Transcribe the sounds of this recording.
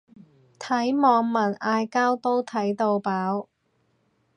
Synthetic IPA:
t̪ʰɐ˨˥jmɔː˨˧ŋmɐ˨˩naː˧jkaː˥wt̪o˥wt̪ʰɐ˨˥jt̪o˧wpaː˨˥w

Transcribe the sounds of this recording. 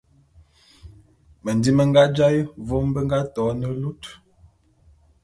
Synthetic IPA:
mə˨ndi˦mə˨ŋɡa˦d͡ʒa˦jvo˦m˦bə˦ŋ˦ɡa˦tɔ˨˦nə˦lu˦t

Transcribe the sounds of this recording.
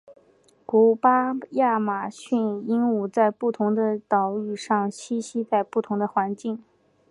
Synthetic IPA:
ku˧˥pa˥ja˥˩ma˨˩ɕy˥˩ni˥nu˨˩t͡sa˥˧ɪpu˥˩t̪ʰʊ˧˥ŋd̪ə˧t̪ɑ˨˩ʊy˨˩ʂɑ˥˩ŋɕi˥ɕi˥t͡sa˥˧ɪpu˥˩t̪ʰʊ˧˥ŋd̪ə˧xwa˧˥nt͡ɕi˥˩ŋ

